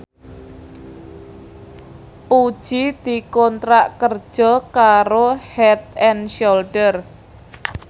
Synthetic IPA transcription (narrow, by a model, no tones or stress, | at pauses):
pud̥ʒ̥id̪̥i̤kɔnt̪ɾaʔkər̥ʒ̥ɔkaɾohɛt̪̚ɛnʃolɖər